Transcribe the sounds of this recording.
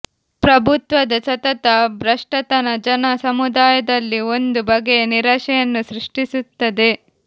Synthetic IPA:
pɾɐbʱut̪ʋɐd̪ɐt͡ʃɐt̪ɐt̪ɐbʱɾɐʂʈɐt̪ɐnɐd͡ʒɐnɐsɐmud̪aːjɐd̪ɐlːio̞nd̪ubɐɡejniɾɐʃɛjɐnːusɾiʂʈisut̪ːɐd̪e̞

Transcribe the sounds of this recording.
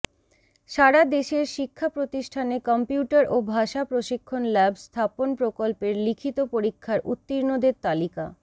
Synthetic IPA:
ʃaɾad̪eʃeɾʃikʰːapɾot̪iʃʈʰanekɔmpjuʈaɾobʱaʃapɾoʃikʰːonlɛbst̪ʰaponpɾokolpeɾlikʰit̪opoɾikʰːaɾʔṵt̪ːiɾnod̪eɾt̪alika̰

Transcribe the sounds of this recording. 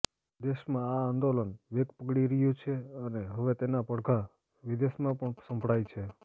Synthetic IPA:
d̪eʃmãaand̪olənʋeɡpəɡɽiɾəjũt͡ʃʰeəneɦəʋet̪enapəɽkʰa | ʋid̪eʃmãpəɳsə̃mpɽajt͡ʃʰe

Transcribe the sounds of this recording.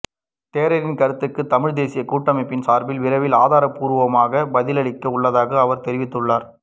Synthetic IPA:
t̪eːɾɐɾɪnkɐɾɯt̪ːɯkːɯt̪ɐmɪɻd̪eːsɪjɐkuːʈːɐmɐɪpːɪnsaːɾbɪlʋɪɾɐʋɪlaːðaːɾɐpːuːɾɯʋɐmaːɣɐbɐðɪlɐɭɪkːɐʊɭːɐðaːɣɐɐʋɐɾt̪ɛɾɪʋɪt̪ːɯɭːaːɾ

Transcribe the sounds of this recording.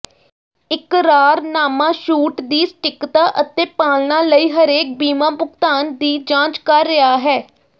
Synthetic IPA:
ɪkɾaːɾnaːmãːʃuːʈd̪iːsʈɪkt̪aːʔət̪eːpaːlnaːləiːɦəɾeːk̚biːmãːbʊkt̪aːnd̪iːd͡ʒãːt͡ʃkəɾːɪaːɦɛː

